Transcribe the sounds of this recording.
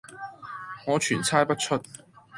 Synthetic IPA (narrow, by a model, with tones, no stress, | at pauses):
ŋɔ˨˧t͡ʃʰyː˨˩nt͡sʰaː˥jpɐ˥t̚t͡sʰɵ˥t̚